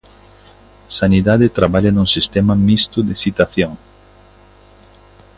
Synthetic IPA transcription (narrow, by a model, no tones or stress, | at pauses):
saniðaðet̪ɾaβaʎanuŋsist̪ɛmamist̪ʊd̪ɪsit̪aθjõŋ